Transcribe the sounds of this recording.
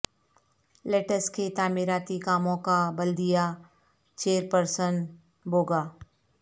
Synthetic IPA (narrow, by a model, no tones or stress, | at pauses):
leːʈəsket̪aːmɪɾaːt̪ikaːmõkabɐld̪ija | t͡ʃeːɾpəɾsən | boːɡaː